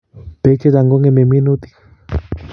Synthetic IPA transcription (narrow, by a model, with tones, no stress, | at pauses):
pe˦t͡ʃe˦˧ɾa˨˧ŋɡo˦ŋe˧me˧˨mĩ˦nu˦t̪i̥˨